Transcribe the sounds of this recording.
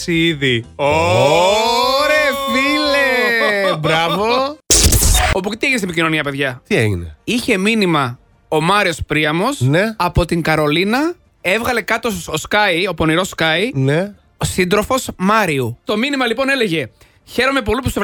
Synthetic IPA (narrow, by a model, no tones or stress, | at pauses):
siiðio | ɾefilebɾɐvo | o̞puct̪ieʝinest̪epicino̞niɐpe̞ðʝɐt̪iḛʝḭnḛiçe̞minimɐ | o̞mɐɾio̞spɾiɐmo̞sneɐpo̞t̪iŋɡɐɾo̞linɐ | e̞vɣɐle̞kɐt̪ooskɐjo̞po̞niɾo̞skɐine | osind̪ɾo̞fo̞smɐɾiut̪o̞minimɐlipo̞ne̞le̞ʝe̞ | çe̞ɾo̞me̞p̬o̞lip̬use